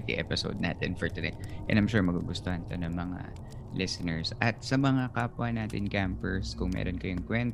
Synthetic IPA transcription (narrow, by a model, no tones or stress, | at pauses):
k̪ḭʔɛ̰pɪso̰wd̪̚na̰ːt̪ɛnfɔɹt̪ʊna̰jt̪̚ʔɛ̰nɐjmʃuːɹmɐɡuɡʊst̪ohɐnt̪onɐŋmɐŋa̰ | lʔɪsɪnɛɹsʔɐt̪̚sɐmɐŋakaːpʊɐnaːt̪ɪnkampɛɹskʊŋmɛ̰ːɾonkɐjʊŋkwɛnt̪